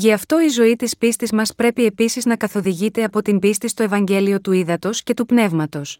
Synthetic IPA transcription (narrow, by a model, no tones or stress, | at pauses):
ʝiɐft̪o̞izo̞it̪ispist̪izmɐspɾe̞pie̞pisiznɐkɐθo̞ðiʝit̪e̞ɐpo̞t̪imbist̪ist̪o̞e̞vɐɲɟe̞lio̞t̪uiðɐt̪o̞sce̞t̪upne̞vmɐt̪o̞s